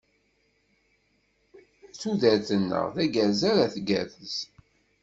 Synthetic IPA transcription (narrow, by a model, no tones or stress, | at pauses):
t͡suðæɾθənːə̰ʁðæɡæzaɾaθɡæ̰θəs